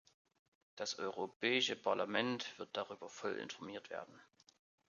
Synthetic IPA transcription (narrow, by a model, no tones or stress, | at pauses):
d̥asʔɔʏʁopʰɛːɪʃəpʰaɐlamɛntv̥ɪɐt̚d̥aʁyːbɐfɔlʔɪ̰nfɔɐmiːɐtv̥ḛːɐdn̩